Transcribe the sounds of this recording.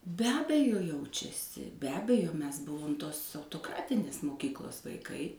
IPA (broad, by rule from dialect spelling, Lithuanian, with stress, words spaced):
bʲɛ ˈɑːbʲɛjoː ˈjɛʊt͡ʃʲɛsʲɪ bʲɛ ˈɑːbʲɛjoː ˈmʲɛs ˈbʊʋoːm ˈtoːs ɐʊtoːˈkrɑːtʲɪnʲeːs moːˈkʲiːklˠoːs ʋɐɪˈkɐɪ